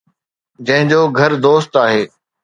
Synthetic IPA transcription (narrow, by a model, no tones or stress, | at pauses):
d͡ʑɐ̃ɦɪ̃ɲd͡ʑoːɡʱɐɾd̪oːst̪aːɦeː